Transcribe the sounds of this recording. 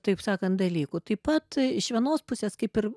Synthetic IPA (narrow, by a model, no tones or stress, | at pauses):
t̪ɐɪpsɑːkɐnt̪̚d̪ɐlʲiːkʊt̪ɐɪpɐt̪ɪʃʲʋʲiɛnoːspʊsʲeːskɐɪpɪr